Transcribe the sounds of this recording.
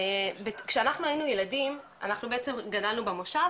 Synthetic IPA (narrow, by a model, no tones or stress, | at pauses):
bekʃeanaχnuainujeladim | a̰naχnubeet͡se̞mɡadalnubemoʃa